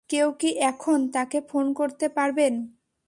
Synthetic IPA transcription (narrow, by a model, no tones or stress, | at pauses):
kewkiʔɛkʰont̪akefonkoɾt̪epaɾben